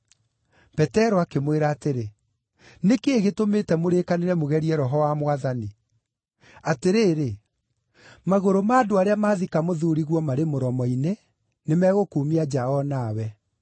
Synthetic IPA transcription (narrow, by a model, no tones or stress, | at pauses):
pɛtɛɾɔakemweɾaːteɾe | nekeɣetometɛmoɾekaneɾɛmoɣɛɾiɛɾɔɦɔwamwaðani | ateɾeːɾe | maɣoɾomaːdoaɾeamaːðikamoðuɾiɣwɔmaɾemoɾɔmɔine | nemɛːɣokuːmiad͡ʒaɔnawɛ